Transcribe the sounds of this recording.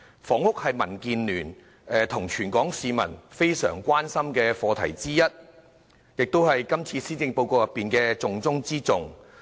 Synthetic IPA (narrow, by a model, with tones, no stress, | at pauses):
fɔː˨˩ŋʊ˥k̚hɐ˨jmɐ˨˩nkiː˨˧nlyː˨˩n | ɛː˨t̪ʰʊ˨˩ŋt͡ʃʰyː˨˩nkɔː˨˥ŋsiː˨˧mɐ̰˨˩nfe˥jsœ̰ː˨˩ŋkʷwaː˥nsɐ˥mkɛː˧fɔː˧t̪ʰɐ˨˩jt͡siː˥jɐ˥t̚ | jɪ˨k̚t̪o˥whɐ˨jkɐ˥mt͡sʰiː˧siː˥t͡sɪ˧ŋpo˧wko˧wjɐ˨pːiː˨nkɛː˧t͡sʊ˨ŋt͡sʊ˥ŋt͡siː˥t͡sʊ˨ŋ